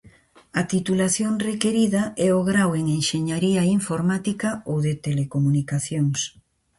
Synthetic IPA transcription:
ɐt̪it̪ulaθjoŋrekeɾiðɐɛoɣɾaweŋeŋʃeɲaɾiaiɱfoɾmat̪ikaowðet̪elekomunikaθjoŋs

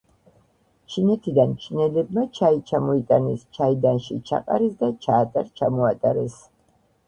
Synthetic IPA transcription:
t͡ʃʰinɛt̪ʰid̪ant͡ʃʰinɛlɛb̚mat͡ʃʰait͡ʃʰamɔit̪ʼanɛst͡ʃʰaid̪anʃit͡ʃʰa̰qʼa̰ɾisd̪at͡ʃʰaːt̪ʼaɾt͡ʃʰamɔat̪ʼaɾɛs

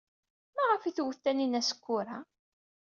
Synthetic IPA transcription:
mæʁəfiθwəθːæninæsə̥kʷːʊɾa

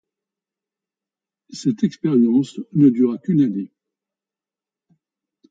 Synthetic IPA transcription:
sɛt̪ɛkspɛʁjɑ̃snəd̪yʁakʲynane

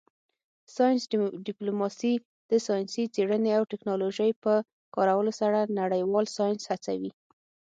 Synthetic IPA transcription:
sɑjnsɖɪplomɑsi | d̪̥əsɑjnsit͡seɽəneawʈɪknɑloʒəjpə | kɑɾawəlosaɽanaɽəjwɑlsɑjnshat͡sa̰wi

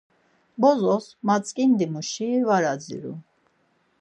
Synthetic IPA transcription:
bɔzɔsmat͡sʼkʼind̪imuʃivaɾad͡zḭɾṵ

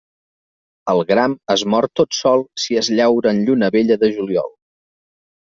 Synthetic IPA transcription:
əlˠɣɾaməzmɔɾt̪ot̪sɔlˠsiəzʎɛwɾəːnʎunəβeʎəðəʒuliɔ̰lˠ

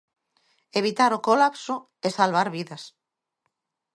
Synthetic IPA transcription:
eβit̪aɾokolapso | esalβ̞aɾβiðas

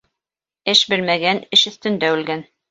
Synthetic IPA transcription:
ɘʃbɘlmæɡænɘʃɵ̆θt̪ɵ̆nd̪æʉlɡæn

